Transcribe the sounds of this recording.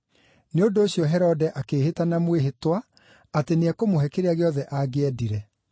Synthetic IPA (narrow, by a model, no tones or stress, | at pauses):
neondoːɕjɔɦɛɾɔdɛʔakeːhetanamweɦetwa | ateneɛkomoɦɛkeɾeaɣeɔðɛʔaɡeɛdiɾɛ